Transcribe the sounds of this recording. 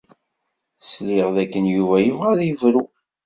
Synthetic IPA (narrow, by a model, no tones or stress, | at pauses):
sliʁðækːənjuvæjəvʁæðjəvɾu